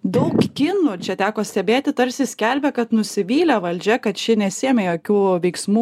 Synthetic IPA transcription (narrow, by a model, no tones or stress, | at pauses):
d̪ɐʊkkʲɪnut͡ʃʲɛt̪ʲæːkoːsʲt̪ʲɛbʲeːt̪ʲɪt̪ɐɾʲsʲɪsʲkʲɛlʲbʲɛkɐt̪nʊsʲɪʋʲiːlʲɛʋɐlʲd͡ʒʲɛkɐt̪ʃʲɪnʲɛsʲɪɛːmʲɛjoːkʲuːʋʲɛɪksmuː